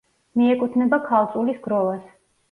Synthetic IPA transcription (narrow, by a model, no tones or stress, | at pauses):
miɛkʼut̪ʰnɛbakʰalˠt̪sʼulisɡɾɔvas